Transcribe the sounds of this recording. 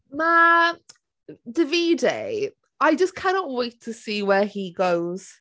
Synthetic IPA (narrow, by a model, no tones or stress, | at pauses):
ma | dəviːdḛ | aɪd͡ʒəskʰanɔʔweɪtʰːəsiːwɛhiɡoʊz̥